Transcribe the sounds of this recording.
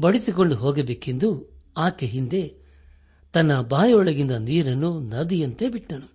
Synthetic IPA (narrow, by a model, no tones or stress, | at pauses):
bɐɽisiko̞ɳɖuɦoːɡebeːke̞nd̪u | aːkeɦind̪e̞ | t̪ɐnːɐbaːjɐɔɭɐɡind̪ɐniːɾɐnːunɐd̪ijɐnt̪e̞biʈːɐnu